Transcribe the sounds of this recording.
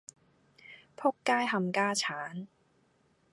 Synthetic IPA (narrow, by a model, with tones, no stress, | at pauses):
pʰo˥kːaː˥jɦɐ˧mkaː˥t͡ɕʰaː˨˥n